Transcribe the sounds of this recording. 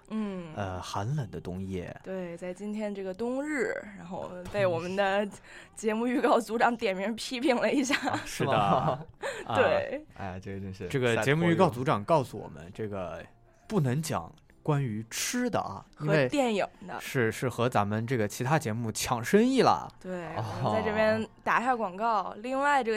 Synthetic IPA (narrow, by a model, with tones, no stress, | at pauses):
n̩˥˩ə˧xa˧˥nlə˨˩nd̪ə˦t̪ʊ˥ŋjɛ̰˥˩t̪we˥˩ɪt͡sa˥˩ɪt͡ɕi˥nt̪ʰjɛ˥nə˧ʈ͡ʂɤ˥˩ɡə˩t̪ʊ˥ŋɻɻ̩˥˩ɻa˧˥nxo˥˧ʊp̪e˥˩ɪwɔ˨˩mə˧˦nd̪ə˧ | t͡ɕjɛ˧˥mu˥˧y˥˧kɑ˥˩ʊt͡su˧˥ʈ͡ʂɑ˨˧˥ŋt̪jɛ˨˩nmɛ˧˥pʰi˥pʰi˥˩ŋlə˩i˧˥ɕ̬ja˥˩ʂɻ̩˥˩d̪ə | we˥˩ɪa̰˥˧ɪʈ͡ʂɤ˥˩ɡə˩t͡ɕʈ͡ʂɤ˥˩ɡə˩t͡ɕjɛ˧˥mu˥˧y˥˧kɑ˥˩ʊt͡su˧˥ʈ͡ʂɑ˨˩ŋkɑ˥˩ʊsu˧wɔ̰˨˩mə̰˦nʈ͡ʂɤ˥˩ɡə̰˩ | pu˥˩nɤ˧˥ŋt͡ɕjɑ̰˨˩˦ŋ | kwa˥ny˧˥ʈ͡ʂʰɻ̩˥d̪ə̰˨˩ɐ̰˩xi˥nɤ˧we˥˧ɪt̪jɛ˥˩nji˨˩˦ŋd̪ə̰˦ʂɻ̩˥˧ʂɻ̩˥˩xɤ˧˥t͡sa˧˥nmə˧nʈ͡ʂɤ˥˩ɡə˩t͡ɕʰi˧˥t̪ʰa˥t͡ɕjɛ˧˥mu˥˩t͡ɕʰjɑ˨˩ŋʂə˥ŋi˥˩lə̰˩t̪we˥˩ɪ˧a˥˧ɪɤ˥˩pjɛ˥nt̪a˨˩ɕja˥˩kwɑ˨˩ŋkɑ˥˩ʊli˥˧ŋwa˥˧ɪʈ͡ʂɤ˥˩ɡ